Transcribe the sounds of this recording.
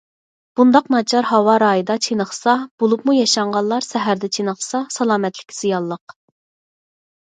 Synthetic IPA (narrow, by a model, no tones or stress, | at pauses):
b̥und̪ɑqnɑt͡ʃʰɑɾhɑwɑɾɑːjɨd̪ɑt͡ʃʰenəχsɑb̥olˠupmujɑʃɑɴʁɑllˠɑɾsɛɦæɾd̪ɛt͡ʃʰenəχsɑsɑlˠɑːmɛt̪lɪ̥kʲʰz̥ijɑlˠːəq̚